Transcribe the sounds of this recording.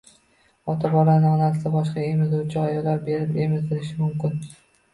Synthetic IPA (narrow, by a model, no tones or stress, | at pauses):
ɒt̪ʰabɒɾanɪɒnasɪt̪abɒʃqɑe̞mɪzuwt͡ʃʰɪajɒlːaɾbe̞ɾɪpe̞mɪzd̪ɪɾɪʃɪmʊmkʲɪn